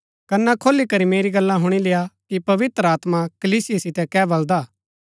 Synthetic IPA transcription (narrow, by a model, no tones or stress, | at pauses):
kɐnːakʰoːlikɐɾimeːɾiɡɐlːãɦʊɽ̃ilɪjakipɐʋɪt̪ɾəaːt̪makɐliːsɪjasɪt̪ɛkɛbɐld̪aː